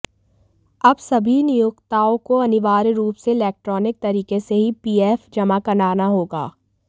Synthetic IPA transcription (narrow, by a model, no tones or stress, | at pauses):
ɐbsɐbʱinɪjʊkt̪aːõkoɐnɪʋaːɾɾuːpseɪlɛːk̚ʈɾɔːnɪk̚t̪ɐɾiːkeseɦipiːeːfd͡ʒɐmakɐnaːnaɦoːɡa̰ː